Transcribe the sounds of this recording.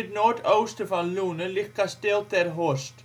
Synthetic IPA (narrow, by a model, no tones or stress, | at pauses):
t̪nɔːt̪oːwst̪ʏfalluːnʏlɪhkːast̪ɛwt̪ɛɾɦɔst̪